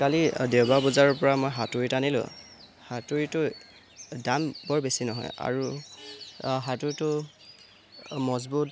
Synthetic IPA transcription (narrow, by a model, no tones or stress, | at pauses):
kalidewbabɔzaɹɔɹpɔɹamojɦatoɹitanilʊ̰̃ | hatoɹitʊ | danbɔɹbesinɔɦɔ̰ja̰ɹu | ɦatʊɹitʊ | mɔzbut